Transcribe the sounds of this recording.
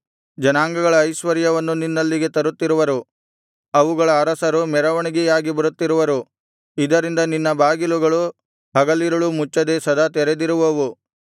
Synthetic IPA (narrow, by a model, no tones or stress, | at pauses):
d͡ʒɐnaːŋɡɐɡɐɭɐːjʃʋɐɾjɐʋɐnːuninːɐlːiɡe̞t̪ɐɾut̪ːiɾuʋɐɾu | ɐʋuɡɐɭɐːɾɐsɐɾumɛɾɐʋɐɳiɡijaːɡibɐɾut̪ːiɾuʋɐɾu | id̪ɐɾind̪ɐninːɐbaːɡiluɡɐɭu | ɦɐɡɐlːiɾɐɭumut͡ʃːɐd̪esɐd̪ɐt̪ɛɾed̪iɾuʋɐʋu